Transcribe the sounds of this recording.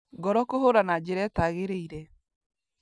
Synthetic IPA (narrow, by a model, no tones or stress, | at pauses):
ɡɔɾɔkoɦoɾanad͡ʒeɾɛtaɣeɾeiɾɛ